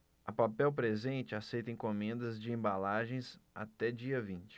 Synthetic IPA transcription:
ɐpapɛwpɾezẽnt͡ʃɪasejt̪ẽj̃komẽnd̪ɐzd͡ʒɪẽmbalaʒẽj̃sa̰t̪ɛd͡ʒiɐvĩt͡ʃɪ̥

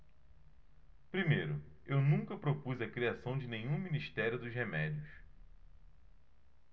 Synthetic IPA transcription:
pɾimejɾʊ | ewnũŋkɐpɾopuzɐkɾiasɐ̃w̃d͡ʒɪnẽjɲ̃ũminiʃt̪ɛɾʲjʊd̪ʊzɦemɛd͡ʒʊʃ

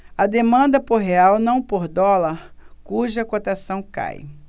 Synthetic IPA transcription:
ɐd̪emɐ̃nd̪ɐpoɾɦeawnɐ̃w̃poɾd̪ɔlɐɾkuʒɐkot̪asɐ̃w̃ka̰j

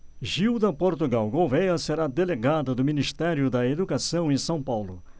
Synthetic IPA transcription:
ʒiwd̪ɐpoɾt̪uɡawɡowvejɐseɾad̪eleɡad̪ɐd̪ʊminist̪ɛɾjʊd̪ɐed̪ukasɐ̃w̃ẽsɐ̃w̃pawlʊ

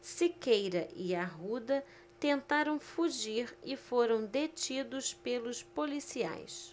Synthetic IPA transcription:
sikejɾɐʔiaɦud̪ɐ | t̪ẽnt̪aɾɐ̃w̃fuʒiɾɪfoɾɐ̃w̃d̪et͡ʃid̪ʊspelʊspolisia̰js

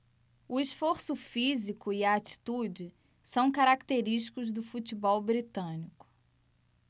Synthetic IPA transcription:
ʊiʃfoɾsʊfizikʊiɐːt͡ʃi̥t̪ud͡ʒɪ | sɐ̃w̃kaɾakt̪eɾiʃt͡ʃi̥kʊzd̪ʊfut͡ʃibɔwbɾit̪ɐ̃nikʊ̥

